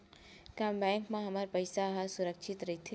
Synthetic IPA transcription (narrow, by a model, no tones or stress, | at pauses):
kãmbɛ̃ːŋkmẽɦɐməɾpəɪsaɦasʊɾəkʃʰɪt̪ɾɐɦit̪ʰe